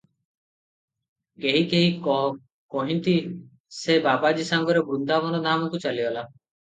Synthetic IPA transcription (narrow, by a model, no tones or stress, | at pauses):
keɦikeɦiɔ | kɔɦint̪i | sebabad͡ʒisaŋɡɔɾɔbɾund̪ʱabɔnɔd̪ʱamɔkut͡ʃaliɔla